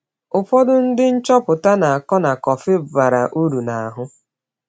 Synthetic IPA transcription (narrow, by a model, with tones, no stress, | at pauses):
ʊ˨pɔ˦dʊ˦n̩˦dɪ˦n̩˦t͡ʃɔ˦pʊ˨ta˦na˨a˨kɔ˦na˨kɔ˨fɪ˦ba˨ɾa˨ʔu˦ɾu˨na˨a˨ɦʊ˦